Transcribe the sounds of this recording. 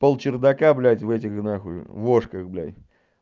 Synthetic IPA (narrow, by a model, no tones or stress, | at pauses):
pəlˠt͡ɕɪrd̪ɐkablʲætʲvɛtʲɪxɡnaxʊ̰voʂkəxblʲæ̰tʲ